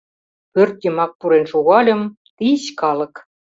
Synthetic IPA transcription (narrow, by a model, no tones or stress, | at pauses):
pørt̪jə̆mɑk̚puɾenʃoɣɑlʲɤ̆m | t̪iɕkɑlɤ̆k